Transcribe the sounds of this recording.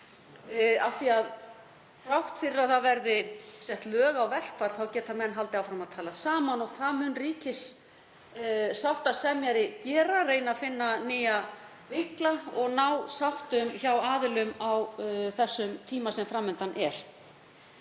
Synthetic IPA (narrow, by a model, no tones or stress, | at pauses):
afθiað | fɾawht̪fɪɾɪɾaðθaðvɛɾðɪsɛht̪lœːɣawvɛl̥kʰfaɾ̥θawcɛːt̪amɛnːɦalt̪ɪawfɾamaðt̪ʰaːlasaːmanɔɣθaðmʏnriːcɪs | sawht̪aðsɛmjaɾɪcɛːɾareːjnaðfɪnːanɪːja | vɪklaɔɣnawsawht̪ʏmçawaːðɪlʏmawθɛsːʏmt̪ʰiːmasɛmfɾamːɛnt̪anʔɛɾ̥